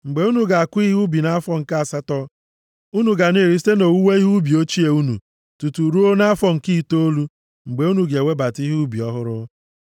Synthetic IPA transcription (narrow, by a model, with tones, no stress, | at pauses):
ŋ͡m̩˨ɡ͡be˨u˦nu˨ɡa˨a˨kʷi˦ɦu˦bi˨na˦fɔ˦ŋ̩˨ka˦a˨sa˦tɔ˦ | u˦nu˨ɡa˨ne˦˨ɾi˨si̥˦te˦no˨wu˦we˦i˦ɦu˦bi˨o˦t͡ʃi˦e˨u˦nṵ˨ | tu˨tu˨ɾu˦o˦na˦fɔ˦˨ŋ̩˨ki˦˨to˦o˦lu˦ | ŋ͡m̩˨ɡ͡be˨u˦nu˨ɡe˨we˦ba˨ti˦ɦu˦bi˨ɔ˦ɦʊ˦ɾʊ˦